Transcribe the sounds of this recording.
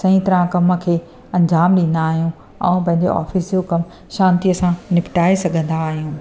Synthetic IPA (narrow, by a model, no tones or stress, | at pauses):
sɐ̃ĩt̪ɐɾãkɐmə̆kʰeː | ɐ̃ɲd͡ʑaːmɗĩːn̆d̪aːɦijũ | ɛ̰̃ːpɐ̃ɦɪ̃ɲd͡ʑo̰ʔa̰ːfisjokɐm | ʃãːnt̪iɐsãnɪpɪʈaːesɐɡʱə̃nd̪aːɦijũː